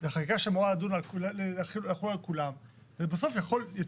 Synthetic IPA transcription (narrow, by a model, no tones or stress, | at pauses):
zeχakikaʃemoʁalad̪unalkllelχiulaχiualkulam | zebaso̞fjaχo̞lja